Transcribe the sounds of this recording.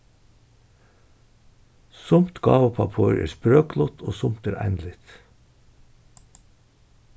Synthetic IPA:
sʊmt̪ɡɑːʋəpʰɑpʰuːɾʔḛːɾspɾøːklʊt̪ʰoːsʊmt̪eːɾʔæ̰ɪnlɪt̪

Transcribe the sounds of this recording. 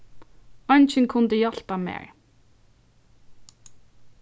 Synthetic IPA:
ɑnçənkʰʊnd̪əjɑɬpɑmḛːɹ

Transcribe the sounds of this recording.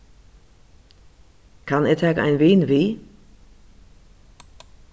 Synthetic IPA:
kʰanɛtʰaka̰ɪnveːnveː

